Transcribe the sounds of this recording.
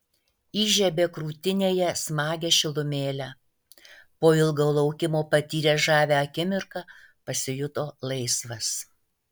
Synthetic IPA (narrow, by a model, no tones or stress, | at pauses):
iːʒʲɛbʲeːkɾuːt̪ʲɪnʲeːjɛsmɑːɡʲɛʃʲɪlˠʊmʲeːlʲæ | poːɪlˠɡɐʊlˠɐʊkʲɪmoːpɐt̪ʲiːɾʲeːʒɑːʋʲæɐkʲɪmʲɪɾkɐ | pɐsʲɪjʊt̪oːlˠɐɪsʋɐs